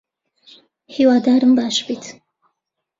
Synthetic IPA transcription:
hiːwaːd̪aːɾɨmbaːʃbit̪ʰ

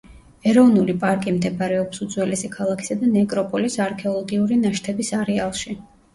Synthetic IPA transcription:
ɛɾɔvnulipʼaɾkʼimd̪ɛbaɾɛɔpsud̪z̥wɛlɛsɛkʰalˠakʰi̥sad̪anɛkʼɾɔpʼɔlisaɾkʰɛɔlˠɔɡiuɾinaʃt̪ʰɛbisaɾɛalˠʃi

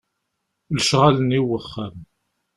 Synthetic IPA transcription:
lʃʁaləniwəχːæm

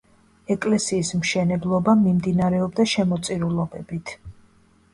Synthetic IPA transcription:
ɛkʼlɛsiːsmʃɛnɛblˠɔbamimd̪inaɾɛɔbd̪aʃɛmɔt̪sʼiɾulˠɔbɛbit̪ʰ

